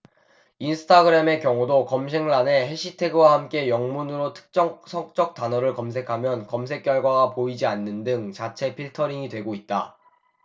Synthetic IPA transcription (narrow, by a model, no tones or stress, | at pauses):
insʰɯ̥tʰaɡɯɾeme̞kjʌŋudokʌmɕʰeŋɭane̞he̞ɕʰitʰe̞ɡɯwahamk͈e̞jʌŋmunɯɾotʰɯ̥k̚t͡ɕ͈ʌsʰʌk̚t͡ɕ͈ʌk̚t͈anʌɾɯɭkʌmsʰe̞kʰamjʌnkʌms̬ʰe̞k͈̚jʌɭɡwaɡapoid͡ʑianːɯndɯŋt͡ɕat͡ɕʰe̞pʰiɭtʰʌɾiŋidwe̞ɡoit̚t͈a